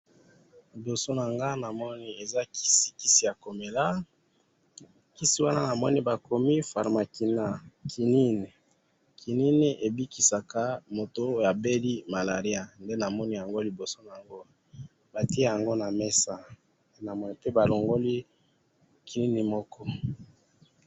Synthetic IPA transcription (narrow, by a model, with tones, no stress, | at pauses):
li˨bo˨so˦na˨ŋɡa˦na˨mɔ˦ni˦e˨za˦ki̥˦si̥˨ki˦si˦ja˨ko˨me˨la˦ | ki˦si˦wa˦na˦na˨mɔ˦ni˦ba˨ko˨mi˦fa̰˨ʁma˨ki˨na˦˨kʰi˨ni˦ni˨ | kʰi˨ni˦ni˦ʔe˨bi˦ki˨sa˨ka˦mo˨to˦ja˨be˦li˦ma˨la˨ʁi˦a˨nde˦na˨mɔ˦ni˦ja˨ŋɡo˦li˨bo˨so˦na˨a˨ŋɡo˦ | ba˨ti˦e˦˨ja˨ŋɡo˦na˨me˦sa˦ | nde˦na˨mɔ˦ni˦pe˦ba˨lo˨ŋɡo˦li˦ | ki˨ni˦ni˨mɔ˦kɔ˦